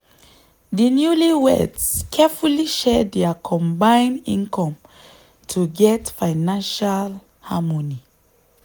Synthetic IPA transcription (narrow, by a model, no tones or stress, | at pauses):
dinjuliwɛ̰dskʰɛfuliʃɛdɛəkʰɔ̃mbãɪ̃nḭ̃nkʰɔ̃m | tʰuɡɛtfãɪnãnʃal | hamɔni